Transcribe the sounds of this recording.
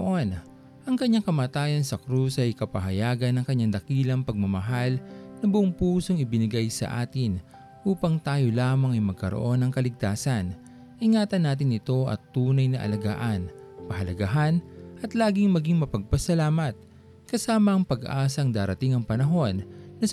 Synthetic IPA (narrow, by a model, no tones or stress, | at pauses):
ʔo̞n | ʔɐŋkɐɲːaŋkɐmaːt̪aːjɐnsɐkɾusɐjkɐpɐɦɐjaːɡɐnɐŋkɐɲaŋd̪ɐkiːlɐŋpɐɡ̚mɐmɐɦalnɐbʊʔoŋpuːso̞ŋɪbɪnɪɡajsɐ̰ʔaːt̪ɪn | ʔuːpɐŋt̪aːjo̞laːmɐŋɐjmɐɡ̚kɐɾo̰ʔo̞nɐŋkɐlɪɡ̚t̪aːsɐn | ʔɪŋaːt̪ɐnːaːt̪̬ɪnɪt̪o̞ʔɐ̰t̪ːuːnɐjnɐʔɐ̰lɐɡa̰ːʔɐn | pɐɦɐlɐɡaɦanʔɐt̪laːɡɪŋmɐɡiŋmɐpɐɡ̚pɐsɐlaːmɐt̪̚ | kɐsaːmɐɐŋpɐɡʔaːsɐŋd̪aːɾɐt̪ɪŋɐŋpɐnɐɦo̞nːɐs